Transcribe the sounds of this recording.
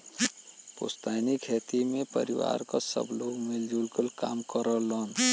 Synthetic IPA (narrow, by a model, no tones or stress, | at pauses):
po̰st̪ajnikʰet̪imepə̰ɾiwa̰ɾkasə̰bloɡmild͡ʒulkəlkaːmkəɾələn